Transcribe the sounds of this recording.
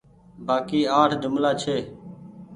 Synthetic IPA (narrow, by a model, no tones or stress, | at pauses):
baːkiːaːʈʰd͡ʒʊmlaːt͡ʃʰeː